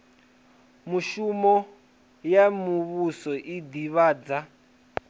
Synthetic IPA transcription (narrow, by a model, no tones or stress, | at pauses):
muʃumɔ | jamuβusɔʔid̪iβaːd͡za